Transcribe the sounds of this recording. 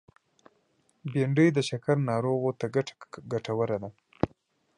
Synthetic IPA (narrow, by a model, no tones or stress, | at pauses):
beɳɖəjd̪əʃakaɾnɑɾoɣot̪aɡaɡaʈawəɾad̪a